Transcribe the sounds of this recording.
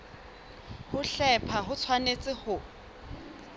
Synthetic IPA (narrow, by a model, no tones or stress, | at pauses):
hʊɬɛpʰaɦʊt͡sʰwanet͡sʼɪhʊ